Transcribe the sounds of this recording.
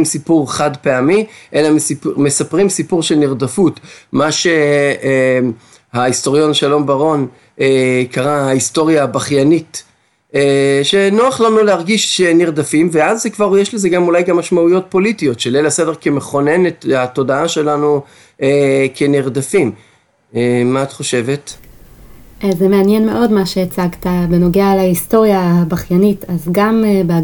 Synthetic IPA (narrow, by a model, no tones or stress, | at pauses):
msipuʁχad̪pe̞amiʔe̞lamesime̞sapʁimsipuʁʃelniʁd̪afut̪maʃe̞ | haist̪o̞ʁjo̞nʃalo̞mbaʁo̞n | ekaʁahaisto̞ʁjaːbaχjanit | eʃe̞noaχlamnulehaʁɡiʃʃeniʁd̪afimveazekvaʁjeʃle̞zeɡamulajɡamːaʃmaujo̞t̚po̞litio̞tʃelelasede̞kemeχo̞ne̞netato̞daaʃe̞lanu | ekʰeniʁd̪afim | emaːt̪χo̞ʃe̞ve̞t | zemeanjenmeʔo̞dmaʃeːt͡saɡtabeno̞ɡealaisto̞ʁjahabaχjanitazɡamebe